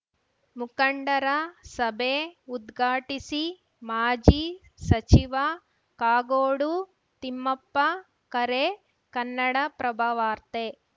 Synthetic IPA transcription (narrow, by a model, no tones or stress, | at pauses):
mukɐɳɖɐɾɐsɐbʱeːud̪ɡʱaːʈisi | maːd͡ʒi | sɐt͡ʃiʋɐ | kaːɡoːɽu | t̪imːɐpːɐ | kɐɾe | kɐnːɐɽɐpɾɐbʱɐʋaːɾt̪e